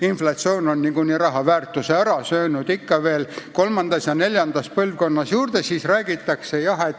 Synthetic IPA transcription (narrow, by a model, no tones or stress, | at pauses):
inflɑt̪sio̞ːno̞nːiɡunʲiɾɑɦɑvæːrt̪ːˑuseæɾɑsø̞ːnud̪ikːɑve̞ːlko̞lmɑnd̪̥ɑsjɑne̞lʲjɑnd̪̥ɑs̚pɤlvko̞nːɑsjuːrd̪̥esiːsræːɡ̥it̪ːˑɑkse̞jɑɦet̪